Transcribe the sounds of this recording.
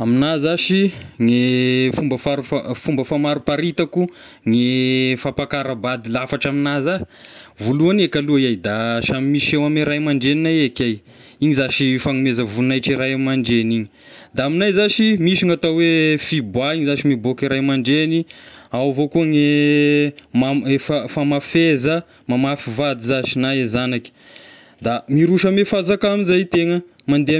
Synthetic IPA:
aminazaʃiŋefumbəfaɾufafumbəfamaɾupaɾit̪aku | ŋefapakaɾəbad̪ilafaʈ͡ʂaminaza | vuluanekaluaiajd̪aʃamimiʃewamiɾajmaɳɖ͡ʐeninajekʲaj | iɲizaʃifaŋumezəvulnajʈ͡ʂiɾajamaɳɖ͡ʐeniɲi | d̪aaminajzaʃimiʃiŋat̪awefibwaiɲizaʃimibokiɾajmaɳɖ͡ʐeniawvokuŋe | maefəfamafezə | mamafivad̪izaʃinaezanakʲi̥ | d̪amiɾuʃəmefazakamizajt̪eŋəmand̪ea

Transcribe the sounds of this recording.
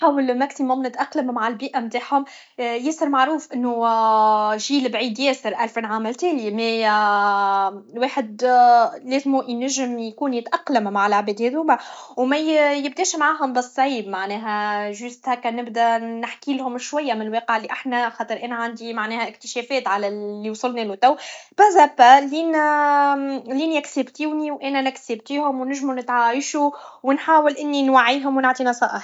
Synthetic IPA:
ħaːwəlmæksimʊmnɪt̪ʔɑqlammaʕɪlbiːʔæmt̪aːħhʊm | jæːsəɾmaʕɾuːfʔɪnːu | ʒiːlbʕiːd̪jɛːsəɾʔælfinʕaːmælt̪æːlimæ | weːħɪd̪ | leːzmuʔjnæʒɪmjkuːnjɪt̪ʔɑqːlamːaʕalʔaʕbɛːd̪heːðumawmæjɪb̚d̪ɛːʃmʕaːɦʊmbɪsˤːʕiːbmaʕnɛːɦæʒʊst̪hækːænɪbd̪ænɪħkiːlhʊmʃwæjːamɪnlweːqəʕɪlːiʔaħnæxɑːt̪ˤɨɾʔɛːnæʕand̪imaʕnɛːhæʔɪkt̪ɪ̥ʃɛːfɛːt̪ʕalælːiwsˤʊlnilut̪æwbæzæbæliːn | liːnæksɪbt̪iwniwʔɛːnænæksɪb̚t̪iːhʊmwnɪʒmunɪt̪ʕaəʃu | wɪnħaːwɪlʔɪnːinwaʕːiːɦʊmwnaʕt̪ˤiːnɑsˤɑːʔɪħ

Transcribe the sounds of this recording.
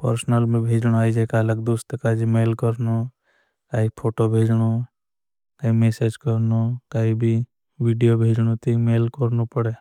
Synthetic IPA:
pəɾsnəlmẽbʱeːd͡ʒɽ̃oaːid͡ʒakaːlək̚d̪uːst̪ekad͡ʒimeːlkəɾno | kaːipʰoːʈobʱeːd͡ʒɽ̃o | kaːimesed͡ʒkəɾnokaːɦibʱi | ʋiɖijobʱeːd͡ʒɽ̃ot̪imeːlkəɾnupəɽe

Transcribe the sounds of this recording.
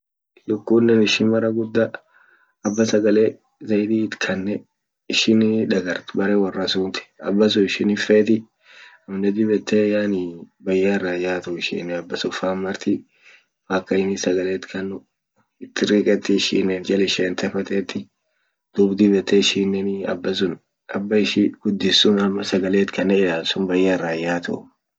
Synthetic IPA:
lʊkːuːnːɛnɪʃɪnmɐɾɐɡʊd̪ːɐ | ɐbːɐsɐɡɐleː | zɐjd̪iːɪt̪kʰɐnːɛ | ɪʃɪnᶑɐɡɐɾt̪bɐɾeːwɐrːɐsuːnt̪ɪ̥ɐ̰bːɐs̬ʊɪʃɪnɪfeːt̪ɪ | ɐmnɛd̪ɪbɛt̪ʰːejaːnɪbɐjːaːɪrːaːjaːt̪ʊɪʃɪ̰nːɛɐbːɐsɔfaːmːɐɾt̪i | faːkːɐɪnɪsɐɡɐleːt̪kʰɐnːʊ | ɪt̪ʰːɪɾiːkʼɛt̪ːɪɪʃḭːnːɛnd͡ʒɛlɪʃeːnt̪ʰɛfɐt̪ʼɛːt̪ːɪ | d̪̥ubd̪ɪbɛt̪ʰːɛɪʃiːnːɛnɐ̰bːɐs̬ʊn | ɐbːɐɪʃiɡ̥ʊd̪ːɪsːʊnɐmːɐsɐɡɐleːt̪kʰɐnːɛɪlaːlsʊnbɐjːarːaːjːaːt̪ɔ̰

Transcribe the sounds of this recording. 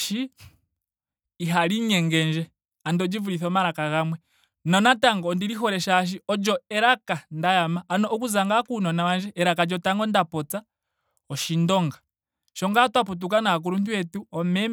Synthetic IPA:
ʃi | ɦaliɲɛŋɡɛnd͡ʒɛ | andɔd͡ʒivuɾiθɔmaɾakaɣamwɛ | nɔnataŋɡɔndiɾiɦɔɾɛʃaʃ̬iɔd͡ʒɔɛɾakandajamaʔːnɔːkuzaŋɡakunɔnawand͡ʒɛʔɛɾakad͡ʒɔtaŋɡɔndapɔt͡sa | ɔʃindɔŋɡa | ʃɔŋɡatwaput̬ukanak̬uɾuntuwɛtuɔmɛ

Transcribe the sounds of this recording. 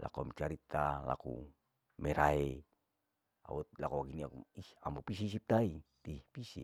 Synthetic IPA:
la̰komt͡ʃaɾit̪ala̰kṵ | mɛɾae | a̰ut̪lakuwaɡiniakiambupis̬is̬ip̚t̪ait̪ipisḭ

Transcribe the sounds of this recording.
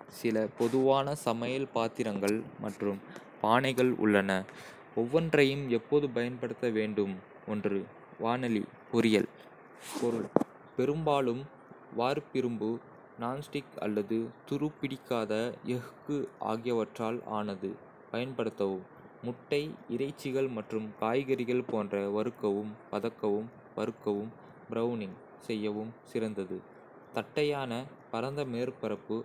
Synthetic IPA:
sɪlɐpɔðɯʋaːnɐsɐmɐjɐlpaːt̪ːɪɾɐŋɡɐɭmɐʈrɯmpaːnɐɪɣɐɭʔʊ̰ɭːɐnɐ | ɔʋːɐndrɐjɯmɛpːoðɯpɐjɐnpɐɽɯt̪ːɐʋeːɳɖɯm | ɔndrɯ | ʋaːnɐlḭ | pʊɾɪjɐ̰l | pɔɾɯɭ | pɛɾɯmbaːɭɯm | ʋaːɾpɪɾɯmbɯ | naːnsʈɪkɐ̰lːɐðɯt̪ʊɾɯpːɪɽɪkːaːðɐʔɛɣɯkːɯʔa̰ːɣɪjɐʋɐʈraːla̰ːnɐðɯ | pɐjɐnpɐɽɯt̪ːɐʋɯmː | ʊʈːɐɪɪɾɐɪt͡ʃːɪɣɐɭmɐʈrɯmkaːjɣɐɾɪɣɐɭpoːndrɐʋɐɾɯkːɐʋɯmpɐðɐkːɐʋɯm | ʋɐɾɯkːɐʋɯm | bɾɐʋnɪŋ | sɛjːɐʋɯmsɪɾɐnd̪ɐðɯ | t̪ɐʈːɐjaːnɐpɐɾɐnd̪ɐmeːɾpɐɾɐpːɯ

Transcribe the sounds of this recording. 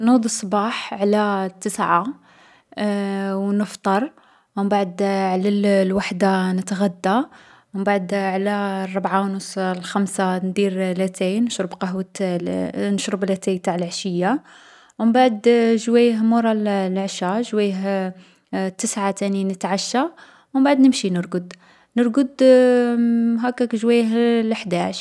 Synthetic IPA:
nud̪isˤːbɑħʕlæt̪ːəsʕa | wnəft̪ˤɑɾˤ | wəmbaʕd̪ʕlællwaħd̪anət̪ɣæd̪ːa | əmbaʕd̪ʕlærˤːɑbʕawnəsˤlxæmsand̪iɾlæt̪ʰæjnəʃɾəbqɑwət̪ | nəʃɾəblæt̪æjt̪aʕəlʕaʃəjːa | wəmbaʕd̪ʒwæjɦmuɾˤɑllʕʃaʒwæjəɦ | t̪ːəsʕat̪æninət̪ʕaʃːa | wmbaʕd̪nəmʃinəɾɡəd̪ | nəɾɡəd̪ | ɦækækʒwæjːɦlħd̪æʃ

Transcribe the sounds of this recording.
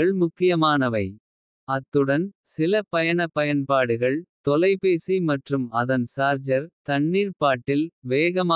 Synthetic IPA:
ɐɭmʊkːɪjɐmaːnɐʋɐɪ | ɐt̪ːɯɽɐn | sɪlɐpɐjɐɳɐpːɐjɐnpaːɽɯɣɐɭt̪ɔlɐɪpeːsimɐʈrɯmɐðɐnsaːɾd͡ʒɐɾt̪ɐɳːiːɾpaːʈːɪlʋeːɣɐma

